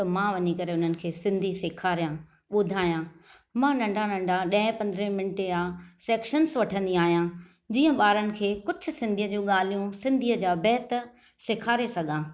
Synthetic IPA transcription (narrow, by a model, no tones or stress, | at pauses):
t̪ɐmãʋɐɲikɐɾeʊn̤ənɪ̆kʰeːsɪ̃nd̪ʱiseːkʰaːɾijãː | ɓʊd̪ʱaːijãː | mãːnɐ̃ɳɖʱanɐ̃ɳɖʱaɗɐ̃ɪ̃pɐ̃nd̪əɾə̃mɪnɪʈeaːseːkʃənsʋɐʈʰə̃nd̪iaːɦijã | d͡ʑiːə̃ɓaːɾənɪ̆kʰeːkʊd͡ʑʱʰʊ̆sɪ̃nd̪ʱijəd͡ʑũːɠaːl̤ijũsɪ̃nd̪ʱiəd͡ʑaːbɛːɪt̪ | sɪkʰaːɾesɐɡʱãː